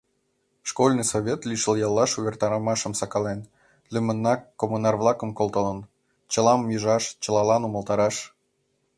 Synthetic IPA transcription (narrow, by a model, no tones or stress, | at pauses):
ʃkolʲnɨjsoβʲet̪lʲiʃəlˠjɑlˠːɑʃuβʲert̪ɑɾəmɑʃə̆msɑkɑlen | lʲymə̆nːɑkːomunɑrβlˠɑkə̆mkolˠt̪ə̆lə̆n | t͡ɕə̆lɑmjiʒɑʃt͡ɕə̆lɑlɑnuməlˠt̪ɑɾɑʃ